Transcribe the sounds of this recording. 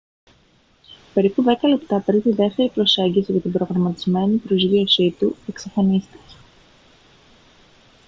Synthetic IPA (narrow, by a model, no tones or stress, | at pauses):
pe̞ɾipuðe̞kɐle̞pt̪ɐpeɾit̪iðe̞ft̪e̞ɾipɾo̞se̞ɲɟisiʝɐt̪ibɾo̞ɣɾɐmɐt̪izme̞nipɾo̞zɣio̞sit̪ue̞ksɐfɐnist̪i̥ce̥